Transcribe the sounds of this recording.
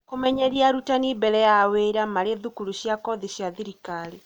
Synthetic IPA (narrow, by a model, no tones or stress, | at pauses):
komɛɲɛɾiaɾutanibɛɾɛjaweɾamaɾeðukuɾuɕjakɔðiɕjaðiɾikale